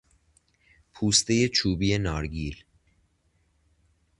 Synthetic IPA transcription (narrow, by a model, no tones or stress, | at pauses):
pʰuːst̪e̞je̞t͡ʃʰuːbiːje̞nɒːɾɡiːl